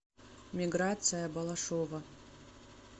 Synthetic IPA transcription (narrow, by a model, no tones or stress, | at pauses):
mʲiɡrat̪t͡s̪ɨjɐbɐlˠɐʂovɐ